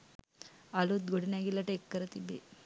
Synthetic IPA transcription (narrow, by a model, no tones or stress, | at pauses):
alut̪ɡoɽinaːɡilːɐʈeːkːɐɾɐt̪ibe